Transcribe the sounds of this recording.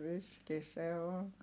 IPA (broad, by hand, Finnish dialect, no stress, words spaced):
riski se on